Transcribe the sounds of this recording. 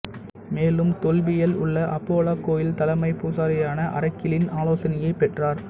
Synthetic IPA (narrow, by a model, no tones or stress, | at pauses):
meːlɯmt̪ɔlbɪjɐlʊ̰ɭːɐʔɐpːoːlaːkːoːjɪlt̪ɐlɐmɐɪpuːsaːɾɐjaːnɐʔɐ̰ɾɐkːɪlɪnaːloːsɐnɐjɐɪpɛʈraːɾ